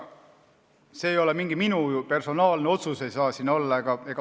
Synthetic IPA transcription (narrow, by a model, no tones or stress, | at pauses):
se̞ːjo̞lemiŋɡ̥iminujupe̞rso̞nɑːlneo̞t̪suse̞jsɑːsino̞lːɑeɡ̥ɑe̞ɡ̥ɑ